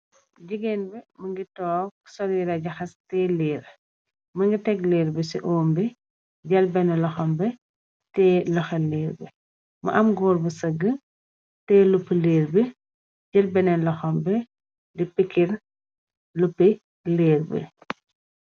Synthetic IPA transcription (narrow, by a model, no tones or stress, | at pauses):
d͡ʒiɡɛnbɛmɐŋɡitɔːsɔɾiːɾɐɟɐxɐstɛːleːɾ | mɐŋɡitɛɡleːɾbisiʔoːmbi | ɟɐlbɛnɛlɐxɔmbɛ | tɛːlɔxɛlːeːɾbɛ̰ | mɐ̰ʔɐmɡɔːɾbəsəɡə | tɛːlupːəleːrbi | ɟɐlbɛnɛnlɐxɔmbɛ | dipikʰːin | lupːi | leːrbḭ